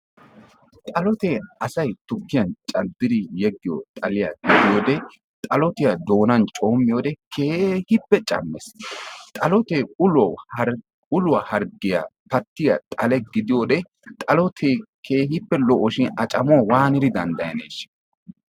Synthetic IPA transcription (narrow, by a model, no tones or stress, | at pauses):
t̪ʼɐlɔt̪ɛɐsɐjt̪ʊkːɪjɐnt͡ʃʼɐd̪ːɪd̪ɪjɛɡːɪjo̰t̪ʼɐlɪjɐ̰ɡɪd̪ɪjoːd̪ɛ | t̪ʼɐlɔt̪ɪjɐd̪o̞ːnɐnt͡ʃʼo̞ːmːɪjoːd̪ɛkʰeːhɪpːɛt͡ʃʼɐ̰mːɛst̪ʼɐlɔt̪ɛʊlɔ | ʊlʊwahɐɾɡɪja̰pɐt̪ːɪjɐt̪ʼɐlɛɡɪd̪ɪjoːd̪ɛ | t̪ʼɐlɔt̪ʰekʰeːhɪpːɛlɔʔɔʃɪnɐt͡ʃʼɐmʊɐwaːnɪɾɪd̪ɐnd̪ɐjɐ̰neːʃɪ̥